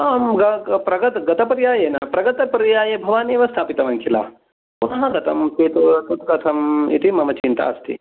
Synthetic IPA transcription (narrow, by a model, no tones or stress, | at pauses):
aːmɡɐpɾɐɡɐt̪ɡɐt̪ɐpɾjaːjeːnapɾɐɡɐt̪ɐpɾjaːjebʱɐʋaːneːʋɐst̪ʰaːpit̪ɐʋɐnkʰila̰ː | punɐɦɐ̃ɡɐt̪ʰɐmseːt̪ut̪ut̪ɡɐt̪ʰɐmḭt̪ʰimɐmɐt͡ʃint̪a̰ːɐst̪ʰḭ